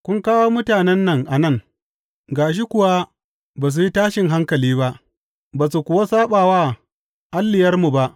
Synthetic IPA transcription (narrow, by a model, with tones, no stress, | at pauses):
kʷʊ˦ŋkaː˦woː˦mʊ˦taː˨nɛ˦nːɐ˨ŋʔa˨nɐ˦˨ŋ | ɡaː˨ʃ̬i˦kʷʊ˨wa˦ | baː˨s̬u˨ji˦taː˦ʃɪ˨ŋɦa˦ŋkɐ˨liː˦ba˦ʔ | baː˨su˨kʷʊ˨wa˦saː˦ɓaː˨waː˦ | ʔa˦lːɪ˨jɐ˦rmu˨ba˦ʔ